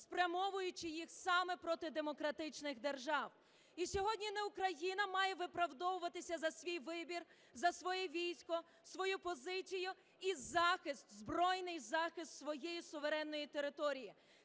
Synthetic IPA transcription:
spɾʲjɐmɔʋʊjʊt͡ʃɪjixsɑmɛpɾɔt̪ɪd̪emɔkɾɐt̪ɪt͡ʃnɪɣd̪erʒɑw | isʲɔɦɔdʲnʲinɛukɾɐjinɐmɑjɛʋɪpɾɐwd̪ɔʋʊʋɐt̪ɪsʲɐzɐsʲʋʲijʋɪbʲir | zɐsʋɔjɛʋʲijsʲkɔ | sʋɔjupɔzɪt͡sʲijʊ | izɑxɪst̪zbɾɔjnɪjzɑxɪst̪sʋɔjejisʊʋeɾɛnːɔjit̪eɾɪt̪ɔɾʲiji

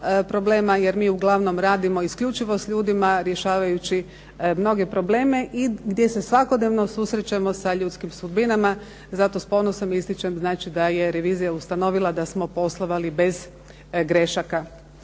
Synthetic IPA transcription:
pɾo̞ble̞ːmaje̞ɾmiːuɡlˠaʋno̞mɾaːd̪imo̞iskʎʲut͡ʃiʋo̞sʎʲuːd̪imaɾje̞ʃaːʋajut͡ɕi | mno̞ɡe̞pɾo̞bleːme̞ʔiɡd̪ʲje̞se̞sʋakod̪neʋno̞susɾet͡ɕamo̞saʎuːt̪skimsud̪binama | zat̪ospo̞nosomist̪it͡ʃemznaːt͡ʃid̪aje̞ɾe̞ʋiːzijaust̪ano̞ʋilˠad̪asmo̞po̞slˠoʋalibe̞z | ɡɾe̞ʃaka

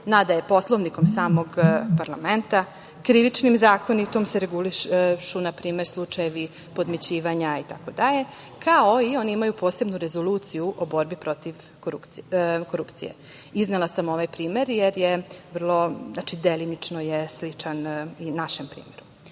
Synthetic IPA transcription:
nad̪ajepo̞slˠo̞ʋniko̞msaːmo̞ɡpaɾlˠame̞nt̪a | kɾiʋit͡ʃnimzaːkonit̪o̞mseɾeɡuliʃunapɾiːme̞ɾslˠut͡ʂajeʋi | po̞d̪met͡ɕiːʋaɲait̪ako̞d̪aʎe̞ | kʰaoio̞niimajupo̞ːse̞bnuɾe̞zo̞luːt̪sijuʔobo̞ɾbipɾo̞t̪iʋ | koɾupko̞ɾupt̪sḭjḛ | iznelˠasamo̞ʋajpɾiːme̞ɾjeɾjeʋr̩lˠo̞zat͡ʃid̪elinit͡ʂno̞jeslit͡ʂaninaʃempɾḭːme̞ɾu

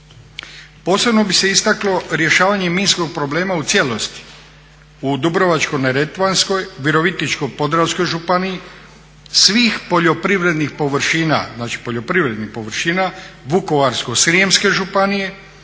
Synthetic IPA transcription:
po̞ːse̞bno̞bise̞ist̪aklo̞ɾje̞ʃaːʋaɲe̞miːnsko̞ɡ̚pɾo̞ble̞ːmaut̪sjelo̞st̪i̥ | ud̪ubɾo̞ʋat͡ʃko̞jneɾe̞t̪ʋansko̞jʋiɾo̞ʋit̪nit͡ʃkojpo̞d̪ɾasko̞jʒupanii | sʋiːxpo̞ʎo̞pɾiʋɾe̞d̪nixpo̞ʋɾ̩ʃiːna̰znaːt͡ʃi̥po̞ʎo̞pɾiʋɾe̞d̪nixpo̞ʋɾ̩ʃiːnaʋuko̞ʋaɾsko̞sɾiemske̞ʒupanije̞

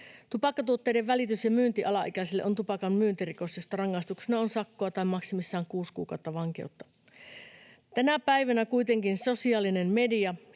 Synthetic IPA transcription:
t̪upɑkːɑt̪uot̪ːeideʋʋælit̪ysjɑmyːnt̪iʔɑlɑʔikæsilːeʔont̪upɑkɑnmyːnt̪iriko̞sjost̪ɑrɑŋːɑist̪uksenɑonsɑkːoɑt̪ɑimɑksimisːɑːŋkuːskṵːkɑ̰ˑut̪ːɑʋɑŋkḛut̪ːɑ | t̪ænæpæiʋænækuit̪eŋkinso̞siɑːlinemmediɑ

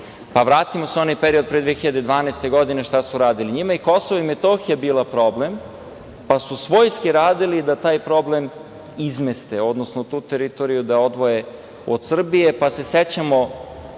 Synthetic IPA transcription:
paʋɾaːt̪imo̞seo̞najpeɾio̞d̪̚pɾed̪ʋexiʎad̪ed̪ʋaːnaest̪e̞ɡo̞d̪ineʃt̪asuɾaːd̪iliɲimaiko̞soʋoimet̪oxijabiːlˠapɾo̞ble̞m | pasusʋo̞jskiɾaːd̪ilid̪at̪aːjpɾo̞ble̞m | izmest̪eo̞d̪nosnot̪uːt̪eɾit̪oɾijud̪ao̞d̪ʋo̞je̞ | od̪sr̩bije̞pase̞set͡ɕamo

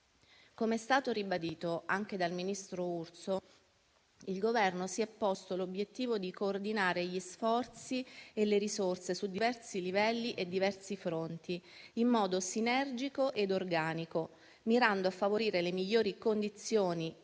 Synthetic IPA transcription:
komeɛst̪aːt̪oɾibad̪iːt̪oaŋk̟ed̪alminist̪ɾourt̪so | ilɡovɛrnosiɛpːɔst̪olobjet̪ːiːvod̪ikoːrd̪inaːɾeʎisfɔrt̪sieleɾisort̪sesud̪ːivɛrsilivɛlːiʔed̪ːivɛrsifɾont̪iimːɔːd̪osinɛrd͡ʒikoʔed̪orɡaːniko | miɾand̪oafːavoɾiːɾelemiʎːoːɾikond̪it̪sːjoːni

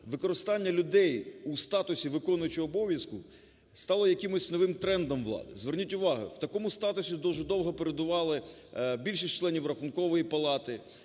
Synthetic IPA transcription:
ʋɪkɔɾɪst̪ɑnʲːɐlʲʊd̪ɛjust̪ɑt̪ʊsʲiʋɪkɔnʊjɐt͡ʃɪɔbɔʋʲjɐskʊ | st̪ɑlˠɔjɐkɪmɔsʲnɔʋɪmt̪ɾɛnd̪ɔmʋlˠɑ̰d̪ɪ̰zʋernʲitʲʊʋɑɦʊ̰wt̪ɐkɔmʊst̪ɑt̪ʊsʲid̪ɔʒɛd̪ɔwɦɔpeɾed̪ʊʋɑlˠɪbʲilʲʃisʲt͡ʃlˠɛnʲiwrɐxʊnkɔʋɔjipɐlˠɑt̪ɪ

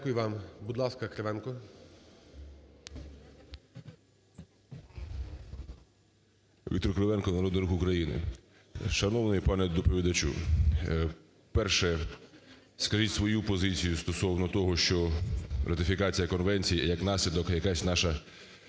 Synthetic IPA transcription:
kʊjʊʋɑmbud̪lˠɑskɐkɾeʋɛnkɔ | ʋʲḭt̪ɔɾkɾeʋɛnkɔnɐɾɔd̪nɪɾuxʊkɾɐjinɪ̰ | ʃɐnɔʋnɔjipɑnɛd̪ɔpɔʋʲid̪ɐt͡ʃṵ | pɛrʃɛ | skɐʒitʲsʋɔjupɔzɪt͡sʲijust̪ɔsɔwnɔt̪ɔɦɔʃt͡ʃɔrʔɐt̪ɪfʲikɑt͡sʲijɐkɔnʋɛnʲt͡sʲijijɐknɑsʲlʲid̪ɔkjɐkɑsʲnɑʃɐ

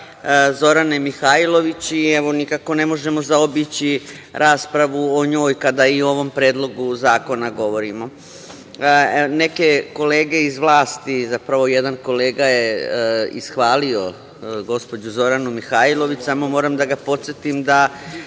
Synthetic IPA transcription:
zo̞ɾane̞mixailˠo̞ʋit͡ɕieʋo̞nikako̞ne̞mo̞ʒemo̞zaobit͡ɕi | ɾʔaːspɾaʋuoɲo̞ːjkad̪aio̞ʋo̞mpɾeːd̪lˠo̞ɡuzaːko̞naɡo̞ʋo̞ɾimo̞ | ne̞ke̞ko̞le̞ːɡe̞izʋlˠaːst̪izapɾaʋo̞jed̪anko̞le̞ːɡajeḭsxʋaːlio̞ | ɡo̞spo̞d͡ʑuzo̞ɾanumixaːilˠo̞ʋit͡ɕsaːmo̞mo̞ːɾamd̪aɡapo̞t̪set̪imd̪a

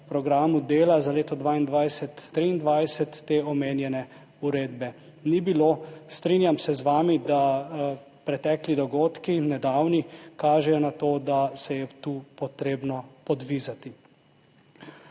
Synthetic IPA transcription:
pɾɔɡɾaːmud̪eːlazaleːt̪ɔd̪ʋaːind̪ʋajsɛt̪ːɾiːnd̪ʋajsɛt̪ːeːɔmeːnjɛnɛ | uɾeːd̪bɛ | nibiloːst̪ɾinjamsɛzʋaːmid̪a | pɾɛt̪ɛːklid̪ɔɡoːt̪kinɛd̪aːwnikaːʒɛjɔnat̪oːd̪asɛjɛt̪upɔt̪ɾeːbnɔpɔd̪ʋizat̪i

